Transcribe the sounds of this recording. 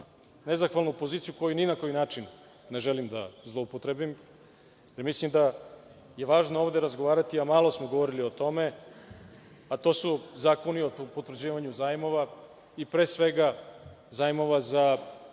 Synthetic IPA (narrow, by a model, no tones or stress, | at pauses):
ne̞zaxʋalˠnupo̞ziːt̪sijuko̞juninako̞jinaːt͡ʃinː | e̞ʒelimd̪a̰zlˠo̞upot̪ɾebim | jemislimd̪a | je̞ʋaːʒnooːʋd̪e̞ɾazɡoʋaːɾat̪iamalo̞smoɡo̞ʋoɾiliot̪o̞me̞ | at̪o̞suzaːko̞niot̪pot̪vɾ̩d͡ʑiːʋaɲuzaːjmo̞ʋa | ipɾe̞ːsʋe̞ɡa | zaːjimo̞ʋaza